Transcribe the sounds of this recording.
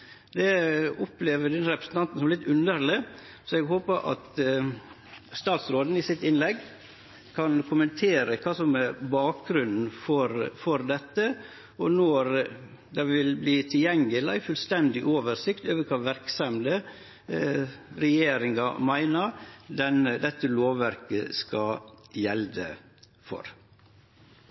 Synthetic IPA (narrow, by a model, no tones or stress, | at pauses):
d̪ɛʊpleːʋəd̪ɛnɾɛpɾəsn̩ɑnt̪n̩sɔmɛlɪt̪ʉnəɾlə | sɔɛɡɦoːpəʔɑ̰t̪ | st̪ɑːt̪sɾoːd̪n̩ɪsɪt̪ːɪnlɛɡː | kʰɑnkʰʊmənt̪ʰeːɾəkʰɑːsɔmɛɾbɑːk̚ɡɾʉnn̩fɔɾfɔɾd̪ɛt̪ːə | ɔnɔɾ | d̪ɛʋɪlbliːt̪ʰɪljɛŋəlæ̰ɪfʉlst̪ɛnd̪ɪʔoːʋəɾsɪkt̪øːʋəɾkʰɑːʋæɾksɑmlə | ɾɛjeːɾɪŋɑmæɪnəɾd̪ɛnəd̪ɛt̪ːəloːʋːæɾkəskɑjɛld̪ə̰ | fɔ̰ɾ